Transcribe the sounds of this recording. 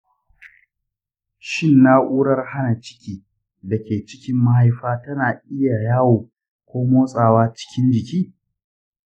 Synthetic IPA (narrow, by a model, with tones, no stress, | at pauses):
ʃɪ˦˨nːaː˦ʔʷuː˦ɽɐ˦rha˦na˨t͡ʃɪ̥˦kʲiː˦ | dɐ˨kʲeː˨t͡ʃɪ˦kʲɪ˦mːɐ˦ha˦jɸaː˦tɐ˦naː˨ʔɪ˦ja˨jaː˦woː˨ | kʷoː˦moː˦sʼaː˨waː˦t͡ʃɪ̥˦kʲɪ˦nd͡ʒɪ˨kʲiː˦